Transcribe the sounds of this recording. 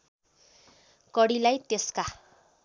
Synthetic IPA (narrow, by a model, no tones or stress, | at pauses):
kʌɽilajt̪eska